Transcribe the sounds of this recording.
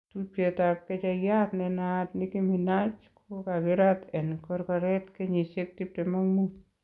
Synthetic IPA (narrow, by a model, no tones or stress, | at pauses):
tuet̪aket͡ʃajat̪nenat̪nikiminat͡ʃkʰokaɡeɾat̪enkɔɾkaɾet̪keɲisek̚tip̚temaŋmut